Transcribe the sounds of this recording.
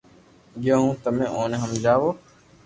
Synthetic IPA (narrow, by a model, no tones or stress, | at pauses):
ɡjaːɦũːt̪əmẽːʔoːnẽːɦəmd͡ʒaːʋoː